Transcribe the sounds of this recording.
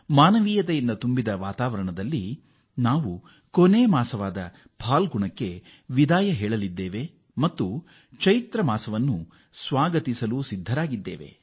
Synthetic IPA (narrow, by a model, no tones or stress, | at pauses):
maːnɐʋiːjɐt̪ɐjind̪ɐt̪umbid̪ɐʋaːt̪aːʋɐɾɐɳɐd̪ɐlːi | naːʋu | koneːmaːsɐʋaːd̪ɐ | bʰʱaːlɡuɳɐkːe̞ | ʋid̪aːjɐɦɛːɭɐlid̪ːeːʋe̞ | mɐt̪ːu | t͡ʃɐjit̪ɾɐmaːsɐʋɐnːu | sʋaːɡɐt̪isɐlusid̪ʱːɐɾaːɡid̪ːeːʋe̞̰